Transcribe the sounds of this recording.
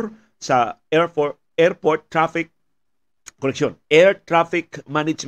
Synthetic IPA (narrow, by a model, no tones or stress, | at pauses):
ɾ | sa | eɾpoɾt̪̚ːɾafik̚ː | oneksjoneɾt̪ɾafikmanit͡ʃ